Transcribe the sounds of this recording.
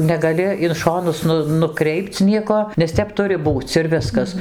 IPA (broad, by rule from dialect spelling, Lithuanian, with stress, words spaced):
nʲɛɡɐˈlʲɪ ɪn ˈʃoːnʊs ˈnʊ nʊˈkrʲɛɪpt͡s ˈnʲiɛkoː nʲɛs ˈtʲɛp ˈtʊrʲɪ ˈbuːt͡s ɪr ˈʋʲɪskɐs